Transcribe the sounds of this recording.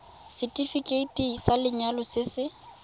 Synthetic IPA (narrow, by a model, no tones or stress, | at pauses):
sɪtʼifikʼeitʼiŋsalɪɲalɔsɪsɪ